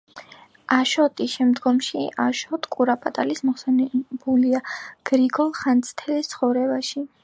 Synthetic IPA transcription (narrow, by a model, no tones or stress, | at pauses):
aʃɔt̪ʼiʃɛmd̪ɡɔmʃiʔaʃɔt̪ʰʼkʼuɾapʼat̪ʼalismɔχsɛnɛbuliaɡ̥ɾiɡɔlˠχant̪sʼt̪ʰɛlist̪sʰχɔvɾɛbaʃi